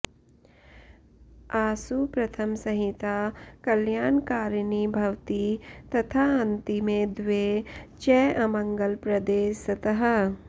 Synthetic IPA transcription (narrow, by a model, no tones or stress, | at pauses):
aːsupɾɐt̪ʰɐmsɐɦit̪akɐljaːnkaːɾnibʱɐwt̪it̪ɐt̪ʰaɐnt̪imẽd̪ʋet͡ʃɛʔɐmɐ̃ŋɡəlpɾɐd̪eːsɐt̪ɐɦɐ